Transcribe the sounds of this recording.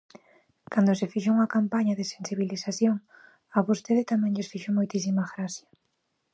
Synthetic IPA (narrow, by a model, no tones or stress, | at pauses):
kand̪osɪfiʃ̬ouŋɐkampaɲɐðesensiβ̞ilisaθjoŋ | ɐβost̪eðɪt̪amɛ̃ŋʎesfiʃomojt̪is̬imaɣɾaθjɐ